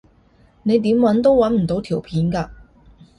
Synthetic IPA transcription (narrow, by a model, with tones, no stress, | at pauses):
ne˨˧jt̪̬i˨˥mwɐ˨˥nt̪̬o˥wwɐ˨˥nm̩˨˩t̪o˨˥wt̪ʰi˨˩wpʰiː˨˥nka˧